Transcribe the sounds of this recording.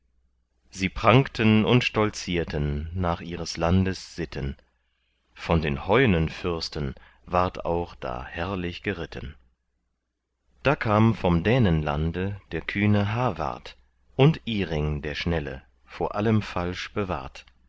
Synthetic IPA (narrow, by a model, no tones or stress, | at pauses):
ziːpʁ̥aŋktʰənʊntʃtɔlt͡siːɐtʰənːaːχʔiːʁəslandəsz̥ɪtʰən | fɔndeːnhɔʏnənfʏʁstən | vaːɐta̰ʊχd̥a̰ːhɛɐlɪçɡ̥əʁɪtʰən | d̥aːkʰaːmənfɔmdɛːnənla̰ndəd̥eːɐkʰyːnəɦaɐva̰ɐt | ʔʊntʔiːʁɪŋdeːɐʃnɛlə̰ | foːɐʔaləmfalʃb̥əva̰ːɐt